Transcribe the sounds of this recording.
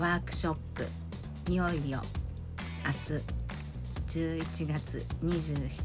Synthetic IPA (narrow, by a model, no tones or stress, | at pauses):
aːkɯ̟̥ɕo̞pːɯ̟̰ | ijo̞ijo̞̰ | asɨ | d͡ʑɨːit͡ɕiɡat͡sɨ̰ɲ̟iʑɨːɕi̥